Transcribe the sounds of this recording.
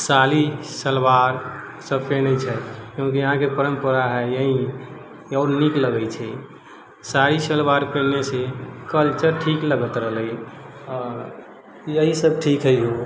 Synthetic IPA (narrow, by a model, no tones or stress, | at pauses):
salisəlwaɾ | səb̚ʱpenəjt͡ʃʰɛkjõkiəɦãkepəɾəmpəɾaɦɛjəɦi | ɔɾnikləɡɛjt͡ʃʰɛ | saɾisəlwaɾpenesekəlt͡ʃəɾʈʰikləɡət̪ɾəɦləjɔɾ | jəɦisəb̚ʈʰikɦəjɦo